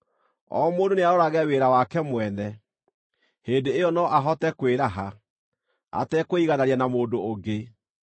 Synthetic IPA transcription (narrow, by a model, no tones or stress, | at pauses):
ɔ̰moːdoneaoɾaɣɛweːɾawakɛmwɛnɛ | heːndeejɔnɔʔaɦɔtɛkweɾaɦa | a̰tɛkoiɣanaɾianamoːdoːɡe